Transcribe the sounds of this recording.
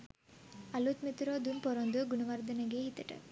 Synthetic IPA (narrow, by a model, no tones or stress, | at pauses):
ɐlut̪mit̪ɾoːd̪unpɔɾond̪uɡuɳɐʋɐɾd̪ɐnɐɡeːɦit̪ːɐʈɐ̰